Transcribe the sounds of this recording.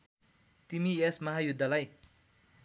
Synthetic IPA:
t̪imiesmʌɦajud̪ʱːalaj

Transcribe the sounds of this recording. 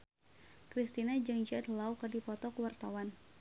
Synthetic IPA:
kɾist̪inad͡ʒəŋd͡ʒad̪lawkərdipɔt̪ɔkuwart̪awan

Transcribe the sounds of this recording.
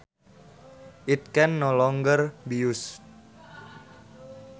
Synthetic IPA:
ʔit̪̚kɛnːɔlɔŋɡərbijus

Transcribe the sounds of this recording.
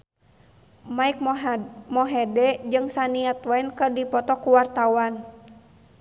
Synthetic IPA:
maik̚mɔɦɛdɛd͡ʒɨŋsaniat̪wainkərdipɔt̪ɔkuwart̪awan

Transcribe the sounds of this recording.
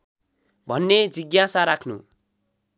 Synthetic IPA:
bʱʌnːed͡ziɡjasaɾakʰnṵ

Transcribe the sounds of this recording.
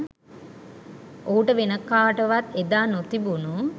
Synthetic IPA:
ouʈəʋenəkːaːʈəʋat̪ed̪aːnot̪ibunu

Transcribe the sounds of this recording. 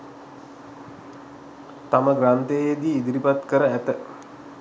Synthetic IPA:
t̪aməɡrant̪ejjed̪iːid̪iɾipat̪kəɾəæt̪ə

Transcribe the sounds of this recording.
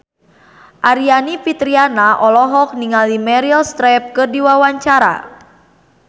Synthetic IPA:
ʔaɾianipit̪ɾianaʔɔlɔɦɔk̚niŋalimɛɾilst̪ɾɛp̚kɨrdiwawaɲt͡ʃaɾa̰

